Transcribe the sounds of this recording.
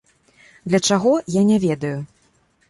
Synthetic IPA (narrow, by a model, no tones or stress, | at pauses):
d̪lʲɐt͡ʂaɣɔjanʲɛvʲɛd̪ɐju